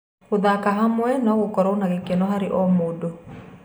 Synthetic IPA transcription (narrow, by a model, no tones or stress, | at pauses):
oðakaɦamwɛnɔɣokɔɾɔonaɣekenɔɦaɾeʔɔmodo